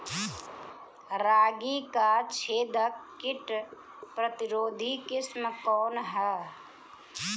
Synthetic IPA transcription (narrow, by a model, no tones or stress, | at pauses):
ɾaːɡiːkat͡ʃʰeːd̪əkːɪʈ | pɾət̪ɪɾoːd̪ʱikɪsməkɔːnɦɛː